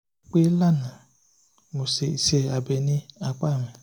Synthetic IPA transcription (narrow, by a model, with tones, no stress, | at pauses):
k͡pe˦la˦na˨ | mo˨se˨i˨se˦˨a˨be˨ni˦a˨k͡pa˦˨me˨